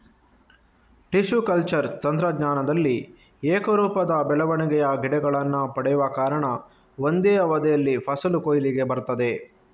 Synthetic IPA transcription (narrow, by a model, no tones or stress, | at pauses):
ʈiʃukɐlt͡ʃɐɾt͡ʃɐnd̪ɾɐɡɲaːnɐd̪ɐlːi | eːkɐɾuːpɐd̪ɐbɛɭɐʋɐɳiɡɛjɐɡiɽɛɡɐɭɐnːupɐɽɛjuʋɐkaːɾɐɳɐ | ʋond̪ɛːjɐʋɐd̪ɛjɐlːipʰɐsɐlukoːjiliɡe̞bɐɾt̪ɐd̪e̞